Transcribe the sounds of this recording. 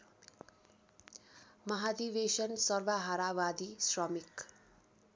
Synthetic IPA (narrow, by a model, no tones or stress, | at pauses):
mʌɦad̪iβesʌnsʌrwaɦaɾawad̪isrʌmik